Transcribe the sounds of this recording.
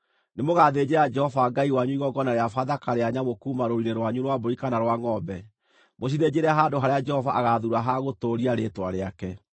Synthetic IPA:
nemoɣaːðed͡ʑeɾad͡ʒɛhɔvaɡaiwaɲuiɣɔɡɔnaɾeafaðakaɾeaɲamokuːmaɾoɾiɾeɾwaɲuɾwaboikanaɾwaŋɔbɛ | mos̬iðed͡ʑeɾɛaɦadoɦaɾead͡ʒɛhɔvaʔaɣaðuɾaɦaɣotoɾiaɾetwaɾeakɛ

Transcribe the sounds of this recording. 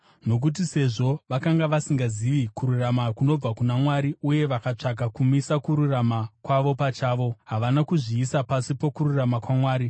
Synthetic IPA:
no̞k̬ut̬ise̞ʐo̞ʋakaŋɡaʋasiŋɡaziʋikuɾuramakuno̞b͡vakunamwaɾiuje̞ʋakat͡ʂaɡakumisakuɾuramakwaʋo̞pat͡ʃaːʋo̞ɦaʋanakuʐiːsapasipo̞kuɾuramakwamwaːɾi

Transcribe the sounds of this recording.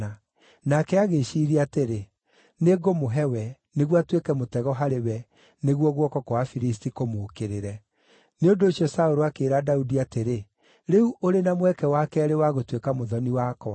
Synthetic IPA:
a | nakɛaɣeʃiːɾiateɾe | neɡomoɦɛwɛ | neɣwatwekɛmotɛɣɔɦaɾewɛ | neɣwɔɣwɔkɔkoafiɾis̬tikomoːkeɾeɾɛ | neondoːɕjɔsaoɾoakeːɾadaudiateɾe | ɾeuʔoɾenamwɛkɛwakɛɾewaɣotwekamoðɔniwakɔ

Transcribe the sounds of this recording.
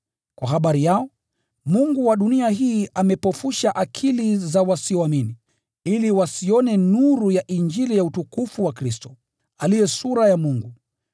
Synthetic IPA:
kwa̰ɦaɓaɾijaɔ | muŋɡuwaɗuniaɦiːʔamɛpɔfuʃaʔakʰilizawasiɔamini | iliwasiɔnɛnuɾujaʔind͡ʒilijautukufuwakɾistɔ | alijɛsuɾajamuŋɡu

